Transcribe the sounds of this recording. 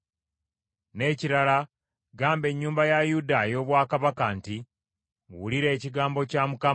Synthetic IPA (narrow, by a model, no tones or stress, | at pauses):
ne̞ciɾala | ɡaːmbe̞ɲːuːmbajajudajo̞ːβwaːkaβakanti | ŋṵwuliɾe̞ːciɡaːmbo̞camuka